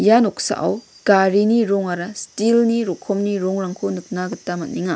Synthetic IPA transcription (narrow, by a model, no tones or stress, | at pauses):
janoksa̰ʔa̰w | ɡ̥aɾiniɾɔŋaɾastilniɾokʰɔmniɾoŋɾaŋkʰonɯk̚naɡɯtːamɐt̚niŋa